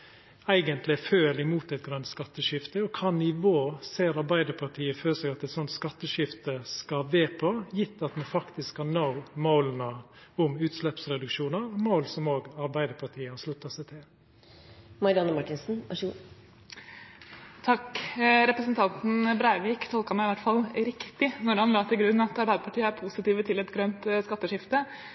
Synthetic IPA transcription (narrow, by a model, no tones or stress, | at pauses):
æɪɡənt̪lɪføːɾɪmuːt̪ɛɪt̪̚ɡɾʉnt̪skɑt̪ːəʃɪft̪əɔkʰɑːnɪʋoːseːɾɑɾbæɪd̪əɾpʰɑʈʰiːəføːɾsɛɡɑt̪ɛɪt̪sɔnt̪skɑt̪ːəʃɪft̪əskɑʋeːpʰɔjɪt̪ːɑt̪mɑnfɑkt̪ɪskhɑnnɑʊmɑʊlənə | ʊmʉːt̪ʂlɛpsɾɛd̪ʉkʂuːnəɾmoʊlsɔmoːɡɑɾbæɪd̪əpʰɑʈʰiːəhɑʂlʉt̪ːɑsæɪt̪ʰɪl | mɑɾɪɑnəmɑʈɪnsn̩æ̰ʃʉː | t̪ʰɑkɾɛpɾəsnt̪ʰɑnt̪n̩bɾæɪʋiːkt̪ʰɔlkɑmæɪɪʋæʈfɑlːɾɪkt̪ɪnɔɾhɑnlɑːt̪ʰɪlɡɾʉnːɑt̪ɑɾbæɪd̪əpʰɑʈiːəæɾpʰusɪt̪iːʋət̪ʰɪlɛt̪ɡɾœnt̪skɑt̪ːəʂɪft̪ə